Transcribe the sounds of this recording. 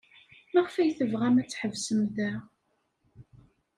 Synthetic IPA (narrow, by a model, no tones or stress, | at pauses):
mæʁfæjθəvʁæmæt͡sːħəvsəmðæ